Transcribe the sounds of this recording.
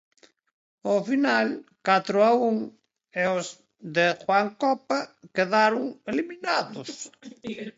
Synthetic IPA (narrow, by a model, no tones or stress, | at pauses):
ofinalkat̪ɾʊauŋ | eoz | ðexwaŋkɔpakeðaɾʊŋeliminaðʊs